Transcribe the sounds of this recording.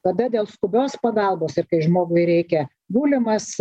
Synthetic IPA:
kɐd̪ɐd̪ʲeːlˠskʊbʲoːspɐɡɐlˠboːsɪɾkɐɪʒmoːɡʊɪɾʲɛɪkʲɛ | buːlʲɪmɐs

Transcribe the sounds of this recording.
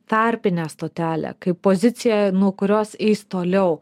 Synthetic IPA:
t̪ɐɾʲpʲɪnʲæːst̪oːt̪ʲæːlʲæ̰ːkɐɪpːoːzʲɪt̪sʲɪjɛnuɔkʊɾʲoːsɛɪst̪oːlʲɛʊ

